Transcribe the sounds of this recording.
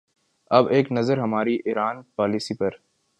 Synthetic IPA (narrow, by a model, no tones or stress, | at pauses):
ɐbeːknɐzəɾɦɐmaːɾiʔiɾaːnpaːliːsipɐɾ